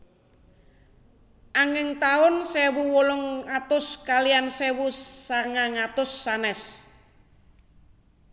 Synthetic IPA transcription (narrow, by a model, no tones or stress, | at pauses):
ʔaŋɪŋt̪aʊnsɛwuwɔlɔŋat̪ʊskaliansɛwusaŋaŋat̪ʊsːanɛs